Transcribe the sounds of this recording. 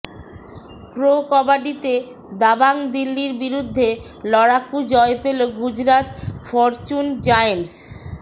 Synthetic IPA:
kɾokɔbaɖit̪e | d̪abaŋd̪ilːiɾbiɾud̪ʱːe | lɔɽakːud͡ʑɔepeloɡud͡ʑɾat̪fɔɾt͡ɕund͡ʑajens

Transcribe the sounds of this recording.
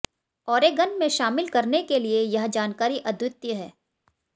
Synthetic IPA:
ɔːɾeɡənmẽʃaːmɪlkɐɾnekeliejɐɦd͡ʒaːnkaːɾiʔɐd̪wɪt̪jəɦɛː

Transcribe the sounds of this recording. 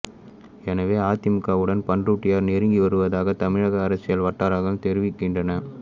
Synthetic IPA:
ɛnɐʋeːaːt̪ɪmɯkːaːʋɯɽɐnpɐɳdruːʈːɪjaːɾnɛɾɯŋɡiʋɐɾɯʋɐðaːɣɐt̪ɐmɪɻɐɣɐːɾɐsɪjɐɭʋɐʈːaːɾaːɣɐɭt̪ɛɾɪʋɪkːɪɳdrɐnɐ

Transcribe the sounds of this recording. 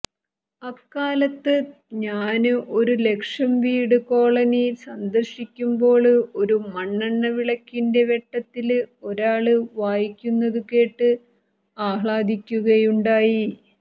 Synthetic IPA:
ɐkːaːlɐt̪ːɨ | ɲaːnɨʔo̞ɾule̞kʂɐmʋiːɽɨko̞ːɭɐnisɐnd̪ɐrɕikʲːumbo̞ːɭo̞ɾumɐɳːɐɳːɐʋiɭɐkʲːinde̞ʋe̞ʈːɐt̪ːilo̞ɾaːɭɨʋaːjikʲːunːɐðuke̞ːʈːɨ | aːhɭaːd̪ʱikʲːuɣɐjuɳɖaːji

